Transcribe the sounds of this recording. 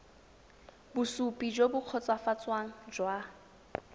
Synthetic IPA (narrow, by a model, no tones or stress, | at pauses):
bʊsupʼid͡ʒobʊq͡χʰɔt͡sʼwafat͡sʼwaŋ̩d͡ʒwa